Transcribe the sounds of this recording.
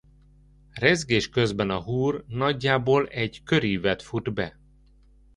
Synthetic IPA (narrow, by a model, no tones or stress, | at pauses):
rɛzɡeːʃkø̞zbɛnɒɦuːrnɒɟːaːboːlɛɟkø̞ɾivɛt̪fud̪bɛ̰